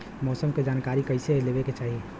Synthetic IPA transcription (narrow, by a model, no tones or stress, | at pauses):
mɔːsəmked͡ʒaːnkaɾikəɪselebeket͡ʃaːɦie